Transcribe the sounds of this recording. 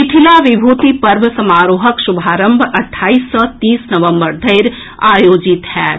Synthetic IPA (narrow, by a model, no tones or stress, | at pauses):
ɪʈʰilaʋɪbʱuːt̪ipɐɾbsɐmaːɾoːɦəkʃubʱaːɾə̃mbʱɐʈʰːaːisːɔt̪iːsnɐʋə̃mbəɾd̪ʱɐɪɾ | aːjoːd͡ʒɪt̪hɛː